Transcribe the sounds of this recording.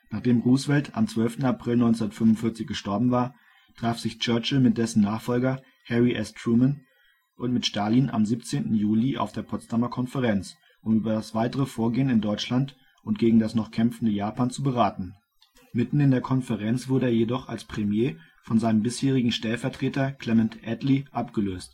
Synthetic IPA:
naːχd̥eːmʁuːsv̥ɛltʰa̰mt͡sv̥œlftn̩apʁ̥ɪlnɔʏnt͡sundɐtfʏmʊntfɪɐt͡sɪçɡ̥əʃtɔɐbm̩vaːɐ | tʁ̥aːfz̥ɪçt͡ʃœɐt͡ʃl̩mɪt̚d̥ɛsn̩naːχfɔlɡɐ | hɛʁiʔɛstʁumən | ʔʊntmɪtʃtaːlinʔa̰mziːpt͡seːntn̩juːliʔa̰ʊfd̥eːɐpʰɔt͡stʰamɐkʰɔnfəʁɛnt͡s | ʔʊmyːbɐdasv̥aɪtəʁ̞əfoːɐɡeːənɪndɔʏt͡ʃlant | ʊnt̚ɡ̥eːɡŋ̩dasnɔχkʰɛmfn̩dəjaːpaːnt͡subəʁaːtn̩ | mɪtn̩ɪndeːɐkʰɔnfəʁɛnt͡sv̥ʊɐɾəeːɐjedɔχa̰lspʁ̥ɛmjeː | fɔnzaɪnəmbɪsheːʁ̞ɪɡŋ̩ʃtɛlfɛɐtʁ̥eːtɐkʰl̥ɛmɛntʔɛtliʔapɡ̥əløːst

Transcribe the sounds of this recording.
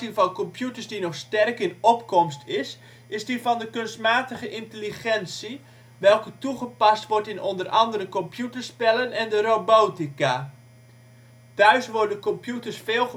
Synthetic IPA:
ivɑnkɔmpjutəɹsdinɔχstɛrkɪnɔpkɔmstʰɪs | ɪzdifɑndəkɵnstmaːtəχəʔɪntəliχɛnsi | ʋɛlˠkətuχəpɑstʋɔrtɪnɔndərʔɑ̰ndəɾəkɔmpʰjutərspɛlənɛndəroboːtika | tœɥsʋʊdəkɔmpjutərsfeːlˠχ

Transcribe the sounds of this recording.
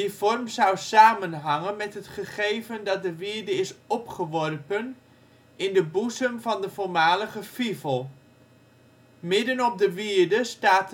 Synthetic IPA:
divɔrmsʌwsaːmənɦɑŋənmɛtɦətχəχejvəndɑt̚dəʋɪːɹdəɪsɔpχəʋɔrpən | ʔɪndəbuzəmvɑndəvʊɹmaːləχəfivəlˠ | mɪdənɔp̚dəʋiːɹdəstaːt

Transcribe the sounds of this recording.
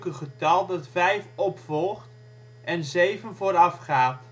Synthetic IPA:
kəχətɑlˠdɑtfɛjfɔpfɔlˠχt | ʔɛnzejvənvoːɾɑfχaːt

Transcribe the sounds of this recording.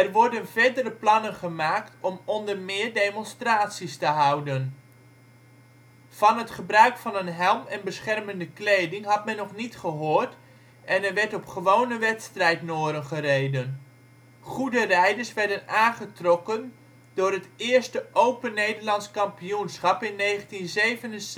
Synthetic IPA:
ɛrʋɔɹdənvɛɹdərəplɑnənχəmaːktɔmɔndərmɪːɹdejmɔnstraːtsistəɦʌwdən | v̥ɑnɦətχəbrœɥkfɑnənɦɛlˠmɛnbəsχɛrməndəklejdɪŋɦɑtmɛnːɔχnitχəɦoːrt | ʔɛnɛɹʋɛɹtɔpχəʋownəʋɛtstrɛjtnoːɾənχərejdən | χudərɛjdəɹsʋɛɹdənaːnχətrɔkən | dʊːrɦətɪːɹstəʔowpənejdəɹlɑntskɑmpijunsχɑpɪnːejχəntinzejvənə

